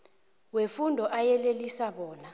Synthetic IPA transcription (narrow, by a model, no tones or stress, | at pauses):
wefundʱɔʔajɛlelisaɓɔːna